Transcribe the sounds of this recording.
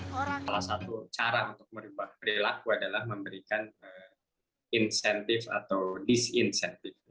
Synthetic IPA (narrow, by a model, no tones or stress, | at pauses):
salahsat̪ut͡ʃaɾaunt̪ʊk̚məɾubahpəɾilakuadalahməmbəɾikanə | insɛnt̪ɪfa̰t̪awdisinsɛnt̪ɪf